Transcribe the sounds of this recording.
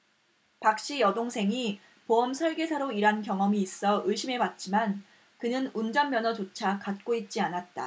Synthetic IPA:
pak̚ɕ͈ijʌdoŋsʰe̞ŋi | poʌmsʰʌɭɡe̞sʰaɾoiɾankjʌŋʌmiːs͈ʌʔɯɭɕʰime̞pat̚t͡ɕ͈iman | kɯnɯnund͡ʑʌnmjʌnʌt͡ɕot͡ɕʰakat̚k͈oit̚t͡ɕ͈ianat̚t͈a̰

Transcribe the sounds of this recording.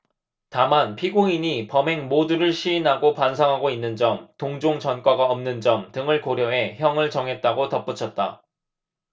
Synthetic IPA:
tamanpʰiɡuŋiɲipʌme̞ŋmoduɾɯɭɕʰiːnɦaɡopansʰaŋɦaɡoinːɯnd͡ʑʌmtoŋd͡ʑoŋt͡ɕʌnk͈waɡaʌmnɯnd͡ʑʌmtɯŋɯɭkoɾjʌɦe̞çjʌŋɯɭt͡ɕʌŋɦe̞t̚t͈aɡotʌp͈ut͡ɕʰʌt̚t͈a

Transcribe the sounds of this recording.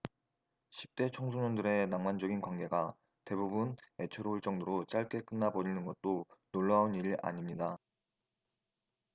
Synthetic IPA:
ɕʰi̥p̚t͈e̞t͡ɕʰʌŋsʰoɲʌndɯɾe̞naŋmand͡ʑʌɡinkwaŋɡe̞ɡa | te̞bubune̞t͡ɕʰeɾouɭt͡ɕ͈ʌŋdoɾot͡ɕ͈aɭk͈e̞k͈ɯnːabʌɲinɯnɡʌt̚t͈onoɭːʌɦauniɾiʔa̰ɲimɲida

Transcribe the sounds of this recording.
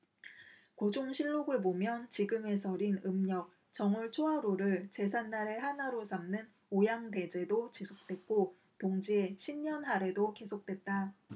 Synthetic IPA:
kod͡ʑoŋɕʰiɭːoɡɯɭbomjʌnt͡ɕiɡɯme̞sʰʌɾinɯmɲʌk̚ | t͡ɕʌŋuɭt͡ɕʰoɦaɾoɾɯɭt͡ɕe̞sʰanːaɾe̞hanaɾosʰamnɯn | ojaŋte̞d͡ʑe̞dot͡ɕisʰok̚t͈we̞t̚k͈o | toŋd͡ʑieɕʰimɲʌnɦaɾe̞doke̞sʰok̚t͈wet̚t͈a

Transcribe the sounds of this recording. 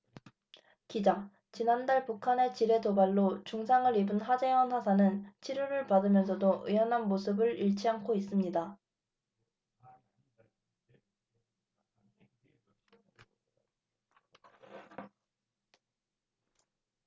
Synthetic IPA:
kid͡ʑaŋ | t͡ɕinandaɭpukʰane̞t͡ɕiɾe̞tobaɭːot͡ɕuŋsʰaŋɯɾibɯnhad͡ʑewʌnhwasʰanɯnt͡ɕʰiɾjuɾɯɭpadɯmjʌnsʰʌdoʔɯjʌnɦanmosʰɯbɯɾiɭt͡ɕʰiaŋkʰois͈ɯmɲida

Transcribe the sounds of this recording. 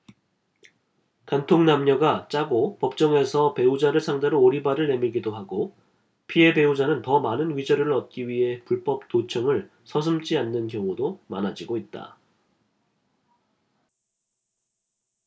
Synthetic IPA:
kantʰoŋnamɲʌɡat͡ɕ͈aɡopʌp̚t͡ɕ͈ʌŋe̞sʰʌpe̞ud͡ʑaɾɯɭsʰaŋdeɾoːɾibaɾɯɭne̞miɭɡidoɦaɡo | pʰie̞be̞ud͡ʑanɯntʌmanɯnɥid͡ʑʌɾɯɾɯɭʌt̚k͈iɥiɦe̞puɭp͈ʌp̚t͈ot͡ɕʰʌŋɯɭ | sʰʌs̬ʰɯmt͡ɕ͈ianːɯnk̬jʌŋudomanad͡ʑiɡoit̚t͈a̰

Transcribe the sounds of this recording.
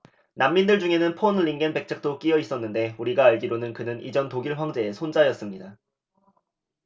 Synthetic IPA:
namːindɯɭd͡ʑuŋɦe̞nɯnpʰonliŋɡenbe̞k̚t͡ɕʰak̚t͈ok͈iʌis͈ʌnːɯnde̞uɾiɡaːɭɡiɾonɯnkɯnɯnḭd͡ʑʌntoɡiɭɸwaŋd͡ʑe̞ːsʰond͡ʑajʌs͈ɯmɲida

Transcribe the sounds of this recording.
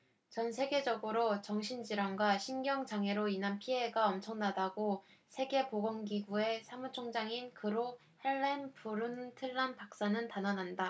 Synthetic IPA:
t͡ɕʌnsʰe̞ɡe̞d͡ʑʌɡɯɾot͡ɕʌŋɕʰind͡ʑiɾaŋɡwaɕʰinɡjʌŋd͡ʑaŋe̞ɾoinanpʰie̞ɡaʌmt͡ɕʰʌŋnadaɡosʰe̞ɡe̞poɡʌŋɡiɡue̞sʰamut͡ɕʰoŋd͡ʑaŋinkɯɾo | heɭːenpuɾɯntʰɯɭːanpak̚s͈anɯntanʌnɦanda

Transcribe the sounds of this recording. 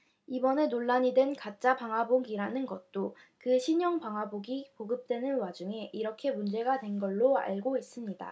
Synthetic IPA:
ibʌne̞noɭːaɲidwe̞nkat̚t͡ɕ͈abaŋɦwaboɡiɾanɯnɡʌt̚t͈o | kɯɕʰiɲʌŋpaŋɦaboɡipoɡɯp̚t͈we̞nɯnwad͡ʑuŋe̞ʔiɾʌkʰe̞mund͡ʑe̞ɡadwe̞nɡʌɭːoa̰ɭɡois͈ɯmɲida̰

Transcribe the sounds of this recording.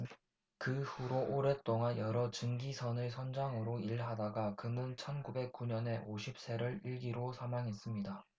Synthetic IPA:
kɯɸuɾoʔoɾe̞t͈oŋanjʌɾʌt͡ɕɯŋɡisʰʌnɯsʰʌnd͡ʑaŋɯɾoiɭɦadaɡakɯnɯnt͡ɕʰʌnɡube̞k͈uɲʌne̞oɕʰip̚s͈e̞ɾɯɾiɭɡiɾosʰamaŋɦe̞s͈ɯmɲida

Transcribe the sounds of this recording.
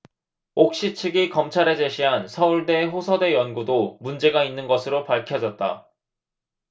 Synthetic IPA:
ok̚ɕ͈it͡ɕʰɯɡikʌmt͡ɕʰaɾe̞d͡ʑe̞ɕʰiɦansʰʌuɭde̞ɸosʰʌde̞jʌnɡudomund͡ʑe̞ɡainːɯnɡʌsʰɯɾopaɭkʰjʌd͡ʑʌt̚t͈a̰

